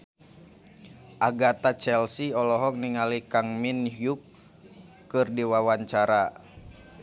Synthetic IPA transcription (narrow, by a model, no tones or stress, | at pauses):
ʔaɡat̪at͡ʃɛlsiɔlɔɦɔk̚niŋalikaŋminhjukː | ɨrdiwawaɲt͡ʃaɾa